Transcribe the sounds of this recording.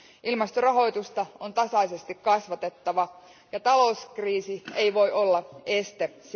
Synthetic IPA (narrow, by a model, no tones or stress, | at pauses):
ʔilmɑst̪orɑɦo̞jt̪ust̪ɑont̪ɑsɑjsest̪ikkɑsʋɑt̪et̪ːɑʋɑ | jɑt̪ɑlo̞uskriːsie̞iʋo̞io̞lːɑest̪es